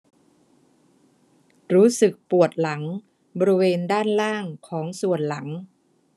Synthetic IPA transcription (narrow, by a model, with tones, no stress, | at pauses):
ɾuː˦˥sɯ˨˩k̚pu˨˩ət̪̚la˩˦ŋ | bɔː˧ɾi˧weː˧ndaː˥˩nlaː˥˩ŋkʰɔː˩˦ŋsu˨˩ənla˩˦ŋ